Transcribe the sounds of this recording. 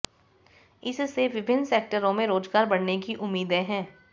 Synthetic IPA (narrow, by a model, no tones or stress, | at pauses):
ɪsseʋɪbʱɪnːseːk̚ʈəɾõmẽɾoːd͡ʒɡaːɾbɐɽnekiʔʊmːiːd̪ẽɦɛ̃ː